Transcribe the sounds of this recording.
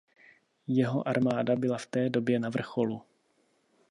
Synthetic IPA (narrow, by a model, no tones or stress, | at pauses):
jɛɦo̞ʔaɾmaːdabɪlaft̪ɛːdo̞bjɛnavr̩xo̞lu